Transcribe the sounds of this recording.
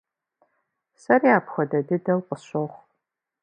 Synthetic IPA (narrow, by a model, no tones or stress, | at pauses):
sɐrjaːpχɐdɐdɨdɐlqʼəɕoʁʷ